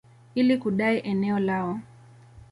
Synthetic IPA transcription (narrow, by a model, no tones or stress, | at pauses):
ilikuɗaiʔɛnɛɔlaɔ